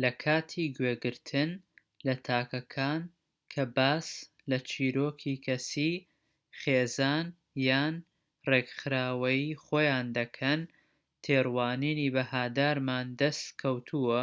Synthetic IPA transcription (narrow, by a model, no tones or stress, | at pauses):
lɐkʰaːt̪ʰiːɡweɡɨɾt̪ʰɨn | lɐt̪ʰaːkɐkʰaːn | kʰɐbaːs | lɐt͡ʃʰiːɾoːkʰiːkʰɐsi | χeːzaːn | jaːn | reɡχɨɾaːwɐjiχoːjaːnd̪ɐkʰɐn | t̪ʰeːrwaːniːniːbɐhaːd̪aːɾmaːnd̪ɐst̪kʰɐwt̪ʰuɐ